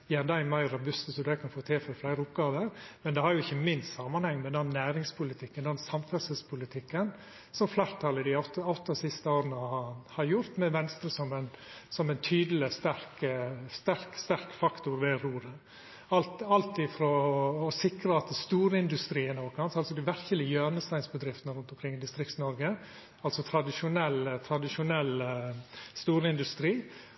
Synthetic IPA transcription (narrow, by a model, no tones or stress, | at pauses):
jæd̪æɪmæɪɾɾɑbʉst̪əsɔd̪æɪkʰɑnfoːt̪ʰeːfɔɾflæɪɾəʊpɡɑːʋəɾmɛnd̪ɛhɑɾjʊɪçːəmɪnst̪sɑmɑnhɛŋːmɛd̪ɛnːæːɾɪŋspʰʊlɪt̪ʰɪkːənd̪ɛnsɑmfɛɾsəspʰʊlɪt̪ʰɪkːən | sɔmflæːɾt̪ʰɑlːəd̪ɪɑʊt̪ɑʉt̪ɑsɪst̪əoːɾənəhɑɾjʊɾt̪mɛʋɛnst̪ɾəsɔmɛnsɔmɛɪnt̪ʰyːd̪l̩ɪst̪æɾkəst̪æɾkst̪æɾkfɑkt̪ʊɾʋeːɾuːɾə | ɑlt̪ɑlt̪ɪfɾɔːsɪkɾəɑt̪st̪uːɾəɪnd̪ʉst̪ɾiːənoːkʰɑnsɑlsɔd̪ɪʋæɾkəlɪəjønəst̪æɪnsbəd̪ɾɪft̪ənəɾʉnt̪ɔmkɾɪŋːɪd̪ɪst̪ɾɪkt̪nɔɾɡə | ɑlsɔt̪ʰɾɑd̪ɪʂʊnɛlːt̪ʰɾɑd̪ɪʂʊnɛlː | st̪uːɾəɪnd̪ʉst̪ɾiː